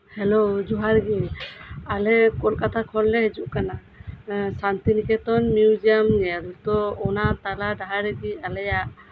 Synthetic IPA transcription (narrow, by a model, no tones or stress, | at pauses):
hɛlod͡ʒuɦaɾɡi | alɛkɔlkat̪ʰakʰɔllɛɦɛd͡ʒuʔkana | sant̪inikʰɛt̪ɔnmjud͡ʒijamnɛlt̪ɔɔnat̪aladaɦaɾɛɡialɛjaʔ